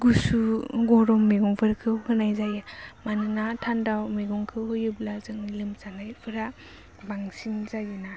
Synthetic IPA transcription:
ɡusuɡɔɾɔmmːeɡɔŋpʰɯɾkʰɯwkɯnajzajamanɯnatʰandawmeɡɔŋkʰɯɦɔjɯblazɯŋnilɯmzanajpʰɯɾa | baŋsinzajɯna

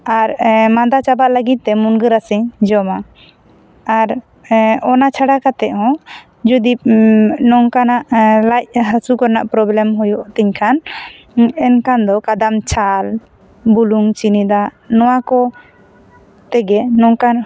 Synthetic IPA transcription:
aɾmad̪at͡ʃabaʔləɡit̪̚t̪ːɛmunɡəɾasiɲd͡ʒɔmaː | ɾ | ɔnat͡ʃʰaɽakat̪ɛʔhɔ̃ | d͡ʒud̪ip̚nɔŋkanaʔlajc̚ɦəsukɔɾnaʔpɾɔblɛmɦujɔʔt̪iɲkʰan | ɛnkand̪ɔkad̪amt͡ʃʰal | buluŋt͡ʃinid̪a | nɔwakɔ | t̪ɛɡɛnɔŋkan

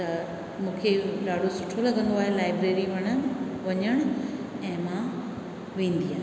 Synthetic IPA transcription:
t̪ɐ | mũːkʰeɾaːɽ̤osʊʈʰolɐɡə̃nd̪oaːɦelaːɪbɾeːɾiʋɐɽ̃ənʋɐɲəɽ̃ʊ | ɛ̃ːmã | ʋẽːn̆d̪iɦaːn

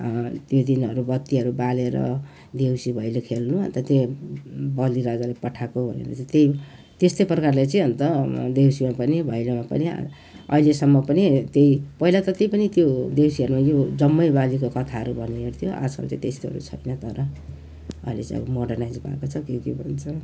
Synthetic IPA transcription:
t̪jod̪inʌɾubʌt̪ːiɦʌɾubaleɾʌ̰ | d̪ewsibʱʌjlokʰelnuɦʌ̰nt̪ʌt̪je | bʌliɾad͡zalepʌʈʰakobʱʌ̰nḛɾʌ̰t͡saĩt̪ej | t̪est̪ojprʌkarlat͡saĩɦʌnt̪ʌd̪ewsimapʌnibʱʌjlomapʌ̰nḭ | ʌ̰ɦilesʌmːʌpʌnit̪jejpʌɦilat̪ʌt̪ipʌnit̪jod̪ewsiʌɾumajod͡zʌmːʌjbalikokʌt̪ʰaɦʌɾubʱʌnieɾt̪ʰijoʔa̰skʰa̰lt͡sã̰ĩt̪est̪oɦʌ̰ɾṵt͡sʰʌ̰jnʌt̪ʌɾʌ | ʌ̰ilḛt͡sa̰ḭ̃ɡmoɽʌrnajd͡zbʱa̰kot͡sʰʌkokebʱʌ̰nt͡sʰʌ

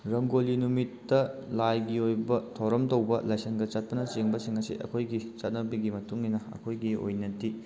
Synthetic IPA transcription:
ɾɐŋɡolinumitːɐlajɡiojbɐtʰɐwɾɐmtɐwbɐlɐjseŋɡɐt͡ʃɐt̚pɐnɐt͡ʃeŋbɐsiŋɐsḭʔɐ̰kʰojɡit͡ʃɐt̚nɐbɐɡimɐtuŋinɐɐ̰kʰojɡio̰jnɐti

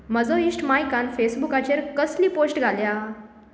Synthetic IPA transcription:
məd͡zɔisʈmajkanfesbukat͡ɕeɾkəsliːposʈɡʱalja

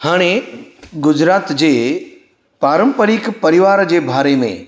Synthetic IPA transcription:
haːɽ̃eɡʊd͡ʑɾaːt̪d͡ʑeː | paːɾə̃mpəɾikpɐɾɪʋaːɾd͡ʑeːbʱaːɾemḛ̃

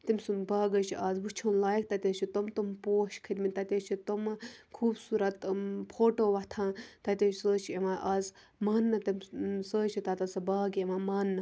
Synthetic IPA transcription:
t̪imʲsunbaːɡɐt͡ʃʰiaːzʋut͡ʃʰɐnlaːjk̚ʰt̪ɐt̪ʲɐt͡ʃʰit̪omt̪umpoːʃkʰɐɾʲmit̪ɐt̪ʲet͡ʃʰit̪omkʰuːbsuːɾɐt̪pʰoːʈoːʋɐt̪ʰãːt̪ɐt̪ʲet͡ʃʰsəːt͡ʃʰieʋãːʔaːz | maːnːɐt̪ɐmsəːt͡ʃʰit̪at̪ɐsɐbaːɡeʋãːmaːnːɐ

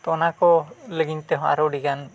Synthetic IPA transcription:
t̪ɔnakɔləɡint̪ɛɦɔ̃a̰ɾɔɖiɡan

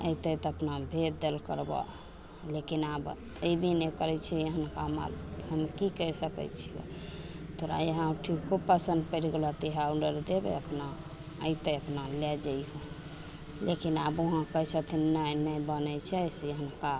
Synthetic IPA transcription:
ə̰it̪əjt̪əpnabʱet̪̚d̪elkə̰ɾbɔ̰ | lekinab | əibinekəɾɛt͡ʃʰɛəɦənkama̰lɦəmkikəɾsəkɛ̰t͡ʃʰio̰ | t̪oɾa̰eɦãʈʰikkʰubpəsə̃nd̪̚pəɾɡlɔt̪iɦauɖəɾd̪ebḛəpna | ə̰it̪əəpnalɛd͡ʒaiɦo | lekinaboɦãkəjsət̪ʰinnanəjbənət͡ʃʰɛseəɦənka

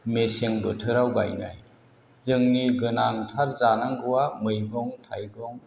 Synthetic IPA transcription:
meseŋbɯtʰɯɾawba̰jna̰j | zɯŋniɡɯnantʰaɾzanaŋɡɯwamɯjɡɔŋtʰajɡɔŋ

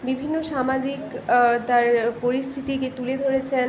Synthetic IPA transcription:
bibʱinːoʃamad͡ʑikt̪aɾpoɾist̪ʰit̪iket̪uled̪ʱoɾet͡ɕʰe

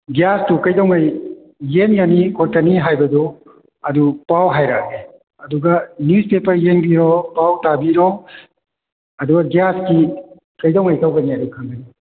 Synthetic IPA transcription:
ɡijastukɐjdɔwŋajː | eŋɡɐnikʰotɐniɦajbɐdu | ɐdupawɦajɾak̚ne | ɐduɡɐnjuspepɐɾjeŋbiɾɔpawtabiɾɔ | ɐduɡɐɡijaski | kɐjdɔwŋajtawɡɐniɐdukʰaŋɡɐni

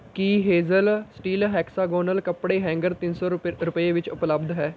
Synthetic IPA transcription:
kiɦeːzəlsʈiːlɦɛːksaːɡoːnəlkəpɽeɦɛ̃ːŋɡəɾt̪ɪnsɔɾʊpeʋɪt͡ʃʊpləbd̪ʱɦɛː

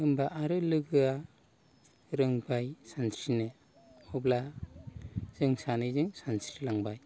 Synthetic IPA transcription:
ɯmbaʔːɾɯlɯɡɯa | ɾɯŋbajsansɾinɯ | ɔbla | z̥ɯŋsanɯzɯŋsansɾilaŋbaj

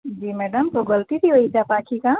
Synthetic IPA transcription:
d͡ʒiːmɛːɖəmkoɡɐlt̪it̪ʰiɦoːit̪ʰaːpaːkʰika

